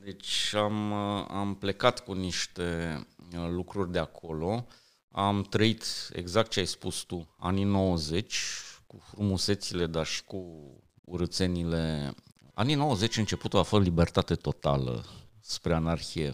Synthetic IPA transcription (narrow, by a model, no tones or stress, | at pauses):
d̪et͡ʃʲama̰mple̞kat̪kuniʃt̪e̞ | lukɾurʲd̪eakʰo̞lo̞ | amt̪ɾəit̪ḛɡzak̚t̪̚t͡ʃeajspust̪ua̰nino̞wəze̞t͡ʃʲkufɾumuse̞t̪sile̞d̪arʃi̥kṵː | ɾət̪se̞nile̞ | a̰nino̞wəze̞t͡ʃʲɨnt͡ʃe̞put̪uafətlibe̞rt̪at̪e̞t̪o̞t̪a̰lə̰spɾe̞anarxijḛ